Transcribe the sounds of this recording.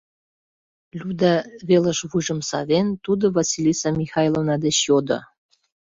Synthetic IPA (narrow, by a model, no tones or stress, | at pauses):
lʲud̪ɑvelə̆ʃβuʒɤ̆msɑ̰βent̪ud̪ŏvɑsʲilʲisɑmʲixɑjlˠovnɑd̪eɕjod̪ŏ̰